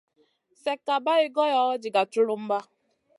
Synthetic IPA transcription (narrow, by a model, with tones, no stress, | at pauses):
se˨ka˨ba˦ɪ˦ɡɔ˦jɔ˦ɔ˦d͡ʒi˨ɡa˨tʊ˦lʊ˦m̩˦ba˦